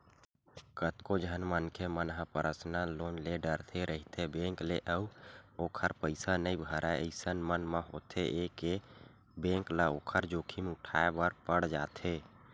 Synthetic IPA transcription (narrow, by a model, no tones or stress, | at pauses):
kət̪kod͡ʒʱənmənkʰemənɦãpəɾʔəsnalonleɖəɾt̪ʰeɾʔəɦit̪ʰebẽŋkleʔəuokʰəɾpəɪsanəĩbʱəɾʔaeəɪsənmənməɦo̰t̪ʰeʔeke | bẽŋklaokʰəɾd͡ʒokʰimʊʈʰaebəɾpəɽd͡ʒat̪ʰe